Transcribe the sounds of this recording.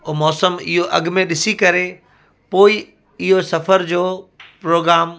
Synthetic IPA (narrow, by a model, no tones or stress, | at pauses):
omɔːsəmɪ̰ɦoʔɐ̰ɡmẽɗɪsikɐɾe | poːɪ | ɪɦosɐfəɾd͡ʑoːpɾoːɡɾaːm